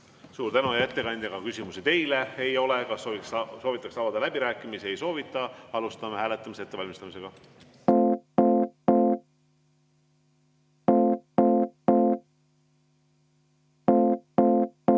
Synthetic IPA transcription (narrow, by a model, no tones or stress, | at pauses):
suːɾt̪ænujæt̪ːe̞kɑnʲd̪̥ʲɑɡ̥ɑkysʲimusit̪e̞jleejo̞lekɑviksso̞ːvit̪ːˑɑksɑːvɑd̪ɑlæb̥iɾæːkːˑimise̞jso̞ːvit̪ːˑɑɑlust̪ɑmehæːle̞t̪ːˑɑmiseet̪ːe̞vɑlʲmist̪ɑmis̬e̞ɡ̥ɑ